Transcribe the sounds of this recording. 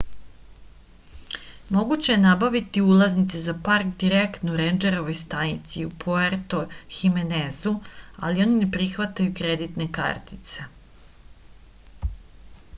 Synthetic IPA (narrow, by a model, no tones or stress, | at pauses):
mo̞ɡut͡ɕe̞jenabaʋit̪iulˠaznit̪sezapaɾkd̪iɾekt̪nouɾend͡ʒe̞ɾo̞ʋo̞jst̪anit̪siupʰoeɾt̪oximenezua̰lio̞ninepɾixʋat̪ajukɾe̞d̪it̪ne̞ka̰ɾt̪i̥t̪se̞